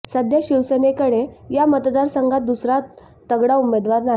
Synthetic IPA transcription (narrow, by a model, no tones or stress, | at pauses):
səd̪jaɕiwsənekəɽejamət̪d̪aɾsəŋɡʱat̪̚d̪usɾat̪ː | əɡɽaumed̪ʋaɾna